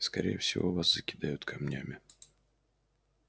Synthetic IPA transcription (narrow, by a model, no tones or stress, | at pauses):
skɐɾʲʔejəfsʲɪvo̞vaszəkʲɪd̪ajʊt̪kʰɐmnʲæmʲɪ